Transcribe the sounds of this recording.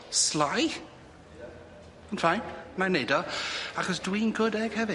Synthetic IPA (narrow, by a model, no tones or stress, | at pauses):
slaj | anfajnmanedɔaχɔs̬dwiːnɡʊdɛɡ̥hɛvɨ